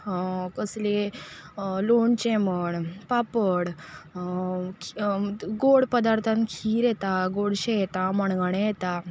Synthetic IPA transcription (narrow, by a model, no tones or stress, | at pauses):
kəsle | loɳt͡ɕɛməɳpapəɽ | ɡoɽpəd̪aɾt̪ʰãnkʰiːɾjɛt̪aɡoɽɕɛjt̪aməɳɡəɳ̃ẽjɛt̪a